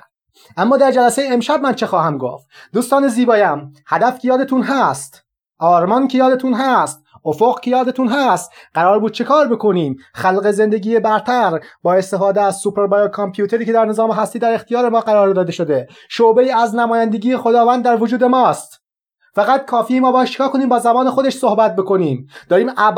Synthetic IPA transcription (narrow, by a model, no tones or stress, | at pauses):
ʔæmːɒːd̪æɾd͡ʒælæsejeːmʃæb̚mænt͡ʃʰe̞xɒːhæmɡo̰ft̪d̪uːst̪ɒːne̞ziːbɒːjæmhæd̪æfkʰejɒːd̪e̞t̪ʰuːnɦæst̪ | ʔɒːɾmɒncʰejɒːd̪et̪ʰunɦæst̪ | ofo̞ɣcʰejɒːd̪et̪uːnɦæst̪ɢ̥æɾɒːɾbuːd̪̚t͡ʃʰe̞kʰɒːɾbe̞kʰoniːmxælɢe̞ze̞nd̪e̞ɟiːje̞bæɾt̪ʰæɾbɒːe̞st̪e̞fɒːd̪eæzsupʰeɾbɑjolkʰompʰjuːt̪ʰe̞ɾiːcʰe̞d̪æɾne̞zɒːmeɦæst̪iːd̪æɾe̞xt̪ijɒːɾe̞mɒːɢæɾɒːɾd̪ɒːd̪e̞ʃo̞d̪e̞ | ʃobeiːæznæmɒːjænd̪e̞ɡʲiːjexo̞d̪ɒːvænd̪d̪æɾvo̞d͡ʒuːd̪e̞mɒːst̪ | fæɣæt̪kʰɒːfiːmɒːbɒːjæt̪t͡ʃʰe̥kʰɒːkʰo̞niːmbɒːzæbɒːne̞xod̪eʃso̞hbæt̪̚beko̞niːmd̪̥ɒːɾiːmʔæ